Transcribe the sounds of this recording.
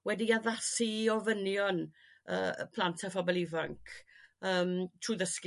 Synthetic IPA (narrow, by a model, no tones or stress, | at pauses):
wɛdiaðasiɔvənjɔn | ə̰ːpʰlˠantʰafɔbɔlˠivaŋkʰəːmtʰruːðəsk